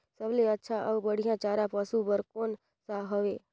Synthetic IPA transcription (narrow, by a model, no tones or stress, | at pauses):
səʋleətːʃʰaʔəʋbəɽ̤ijãt͡ʃaɾapəsubəɾkoːn | saɦəʋe